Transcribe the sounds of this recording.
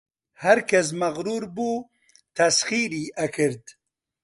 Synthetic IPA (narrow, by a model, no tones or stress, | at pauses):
haɾkɐs̬mɐɣɾuːɾbuː | t̪ɐsχiɾiɐkʰɨɾd̪